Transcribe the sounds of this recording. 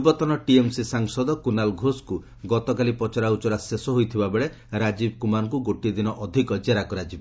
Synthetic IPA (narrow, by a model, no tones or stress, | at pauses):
bɔt̪ɔnɔʈiemsisaŋsɔd̪ɔkunalɡʱosku | ɡɔt̪ɔkalipɔt͡ʃɔɾaut͡ʃɔɾasesɔɦojt̪ʰibabeɭe | ɾad͡ʒibkumankuɡoʈid̪inɔʔɔd̪ʱikɔd͡ʒaɾakɔɾad͡ʒibɔ